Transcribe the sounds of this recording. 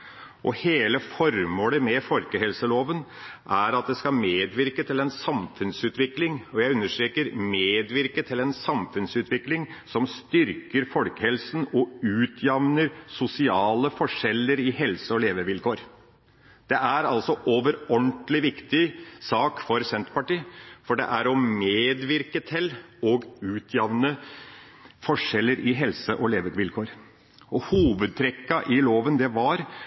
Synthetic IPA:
ʔɔheːləfɔɾmoːləmɛfɔlkəhɛlsəloːʋənʔæɾɑt̪̚d̪ɛskɑmeːd̪ʋɪɾkət̪ʰɪlɛnsɑmfʉnsʉːt̪ʋɪklɪŋɔjæɪʉnːəʂʈ̪ɾeːkəɾmeːd̪ʋɪɾkət̪ʰɪlɛnsɑmfʉnsʉːt̪ʰʋɪklɪŋsɔmst̪ʏɾkəɾfɔlkə̥hɛlsn̩ɔʉːt̪ʰjɑʋnəɾsʊsɪɑːləfɔʂɛlːəɾɪhɛlsəɔleːʋəʋɪlkʰoːɾ | d̪̥ɛʔæɾɑlsɔʔoːʋəɾɔɳʈlɪʋɪkt̪ɪsɑːkfɔɾsɛnt̪pɑʈiːfɔɖɛ̰ʔæɾɔmeːd̪ʋɪɾkət̪ʰɪlɔɡʉːt̪ʰjɑʋnə | fɔʂɛlːəɾʔɪɦɛlsəʔɔleːʋəʋɪlkʰoːɾ | ɔhuːʋəd̪̚t̪ʰɾɛkːɑʔɪloːʋənd̪ɛʋɑɾ

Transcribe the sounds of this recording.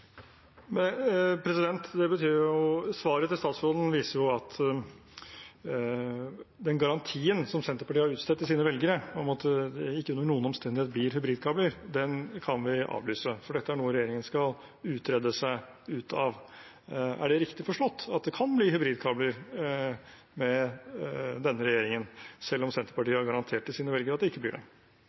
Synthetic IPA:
mɛpʰɾɛsɪd̪ɛnt̪d̪ɛbət̪ʰyːɾjʊsʋɑːɾət̪ɪlst̪ɑːt̪sfɾɔd̪n̩ʋiːsəɾjʊɑt̪ʰ | d̪ɛnɡɑɾɑnt̪ʰiːənsɔmsɛnt̪əpɑʈiːhɑɾʉːt̪st̪ɛt̪ːɪsiːnəʋɛlɡəɾəɔmɑt̪d̪ɛɪkːənːəɳuːənɔmst̪ɛnd̪ɪheːt̪̚bliːɾhʏbɾiːd̪̚kʰɑːbləɾd̪ɛnkʰɑnʋɪʔɑ̰ːʋlyːsəfɔɖɛt̪ːəæɳuːəɾɛjeːɾɪŋənskɑl | ʉːt̪ʰɾɛd̪əsæɪ | ʉːt̪ɑʋ | æ̰ɖɛɾɪkt̪ɪfɔʂʈɔt̪ːɑt̪d̪ɛkʰɑnbliːɦʏbɾiːd̪kʰɑːbləɾ | mɛ | d̪ɛnːəɾɛjeːɾɪŋənsɛlːɔmsɛnt̪əpɑʈiːəæɾɡɑɾɑnt̪ʰeːʈːɪlsiːnəʋɛlɡəɾəɑt̪̚d̪ɛɪkːəb̪lɪ̰ːɖɛ̰

